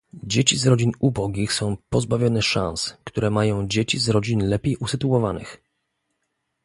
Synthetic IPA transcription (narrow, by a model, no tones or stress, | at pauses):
d͡ʑet͡ɕizɾɔd͡ʑinubɔɡʲixsɔ̃w̃pɔzbavʲjɔnɛʂã̰ñskt̪uɾɛmajɔ̃w̃d͡ʑet͡ɕizɾɔd͡ʑinlɛpʲejʔusɘt̪uwɔvanɘ̰x